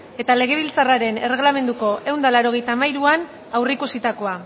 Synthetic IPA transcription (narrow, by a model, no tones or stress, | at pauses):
e̞t̪ale̞ɣ̞e̞β̞ilt͡saraɾe̞ne̞re̞ɣ̞lame̞nd̪uko̞e̞wnd̪alaɾo̞ɣ̞e̞jt̪aːmajɾuan | awrikusit̪ako̞a